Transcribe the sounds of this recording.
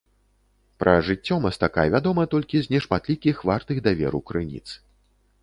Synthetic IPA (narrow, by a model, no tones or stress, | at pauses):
pɾɐ̰ʐɨt͡sʲːɔmɐst̪akajɛvʲad̪ɔmɐt̪ɔlʲkʲiznʲɛʂmat̪lʲikʲixvart̪ɨɣd̪avʲɛ̰ɾwkɾɨnʲḭt̪s